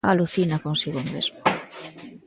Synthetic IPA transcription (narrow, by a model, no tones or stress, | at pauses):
aluθinakonsiɣoŋmḛzmo